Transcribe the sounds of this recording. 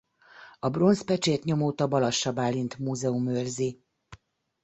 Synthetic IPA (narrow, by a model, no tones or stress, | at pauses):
ɒbro̞nspɛt͡ʃeːt̪ɲo̞moːt̪ɒbɒlɒʃːɒbaːlːint̪muːzɛumørzi